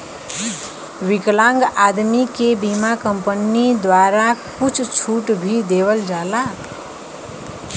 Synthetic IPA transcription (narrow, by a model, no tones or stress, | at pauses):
wiklaŋɡad̪mikebimakʌmpʌnid̪waɾakut͡sʰt͡sʰuʈbʱid̪eβʌld͡zala